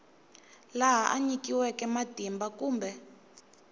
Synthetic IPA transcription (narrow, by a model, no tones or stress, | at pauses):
laɦaʔa̰ɲikiwɛkɛmad̥ʱimbakuːmbɛ